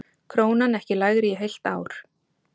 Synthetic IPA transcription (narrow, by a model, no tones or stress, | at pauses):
kʰɾoːwnanɛhcɪlaːjɣɪɾɛɦejl̥t̪aːwɾ̥